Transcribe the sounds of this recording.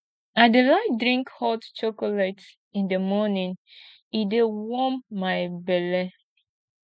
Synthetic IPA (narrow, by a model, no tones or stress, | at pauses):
adelaɪt̚dɹĩŋkhɔtt͡ʃokolat | ĩndəmɔnĩn | idewɔmːaɪbɛlɛ